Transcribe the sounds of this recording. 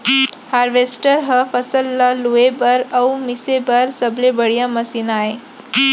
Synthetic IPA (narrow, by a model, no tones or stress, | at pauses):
haɾʋesʈəɾɦəfəsəlːaluebəɾəwmisebəɾsəblebəɽijaməsinae